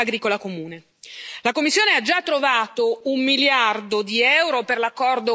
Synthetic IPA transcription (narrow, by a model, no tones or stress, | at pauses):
aɡɾiːkolakomuːne | lakomːisːjoːnead͡ʒat̪ːɾovaːt̪oumːiljard̪od̪iɛwɾoperlakːɔrd̪o